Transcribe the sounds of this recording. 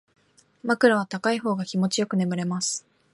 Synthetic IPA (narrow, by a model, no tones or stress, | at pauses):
makɯ̟ɾaβ̞at̪akaiɦo̞ːɡakʲimo̞t͡ɕijo̞kɯ̟ne̞mɯ̟ɾe̞masɨ̥